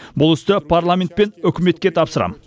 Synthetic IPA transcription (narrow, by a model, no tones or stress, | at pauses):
bʊlˠɪst̪ɪpʰarlˠamʲe̞nt̪̚pe̞nʏkʲɪme̞t̪kʲe̞t̪ʰɑpsəɾɑ̰m